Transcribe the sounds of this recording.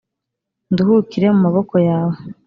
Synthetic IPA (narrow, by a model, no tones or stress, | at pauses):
nduhukiɾe̞mumaβo̞ko̞jaːwe